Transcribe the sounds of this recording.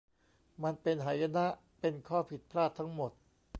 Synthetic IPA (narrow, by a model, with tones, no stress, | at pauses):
ma˧npe˧nɦa˩˦ja˧na˦˥ʔ | pe˧nkʰɔː˥˩pʰi˨˩t̪̚pʰlaː˥˩t̪ʰːa˦˥ŋmo˨˩t̪̚